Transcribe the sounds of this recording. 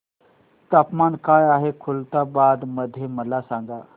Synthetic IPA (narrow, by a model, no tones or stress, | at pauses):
t̪apmankaːjaːɦekʰult̪abad̪məd̪ʱjeməlasãŋ̆ɡa